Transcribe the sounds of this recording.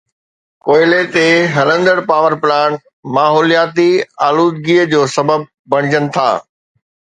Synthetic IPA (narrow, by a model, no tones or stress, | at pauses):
koːɪlet̪eɦɐlə̃nd̪əɽpaːʋəɾpɪlaːn | maːɦɔːlijaːt̪iaːluːd̪̚ɡiːəd͡ʑoːsɐbəb̚ | bɐɽ̃ɪd͡ʑənɪ̆t̪ʰa̰ː